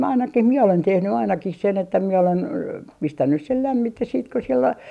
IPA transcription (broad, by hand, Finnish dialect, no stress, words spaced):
ɑinɑkih miɛ olen tehny ɑinɑkih sen etːæ mie olen pistænːys sel læmːites̆ siːt ko sielː o